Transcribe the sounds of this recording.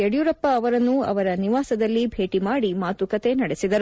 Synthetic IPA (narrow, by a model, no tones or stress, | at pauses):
ɐɽjuɾɐpːɐːʋɐɾɐnːuɐ̰ʋɐɾɐniʋaːsɐd̪ɐlːibʱe̞ːʈimaːɽimaːt̪ukɐt̪e̞nɐɽesid̪ɐɾu